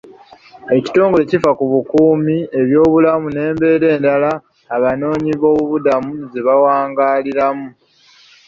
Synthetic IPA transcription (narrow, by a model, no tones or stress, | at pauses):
e̞ci̥to̞ːŋɡo̞le̞cifakuβukuːmie̞βjo̞ːβulamune̞ːmbe̞ːɾe̞ːndalaː | βano̞ːɲiβo̞ːβuβudamuze̞βawaːŋɡaːliɾamu